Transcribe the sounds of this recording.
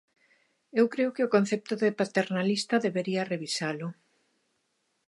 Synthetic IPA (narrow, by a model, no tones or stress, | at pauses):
ewkɾeʊkɪʊkõnθep̚t̪ʊðepat̪eɾnalist̪ɐðeβeɾiɐreβisalʊ